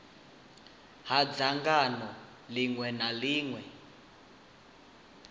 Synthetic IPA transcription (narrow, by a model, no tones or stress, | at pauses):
ɦad͡zaŋɡanɔ | liŋwɛnaliːŋwɛ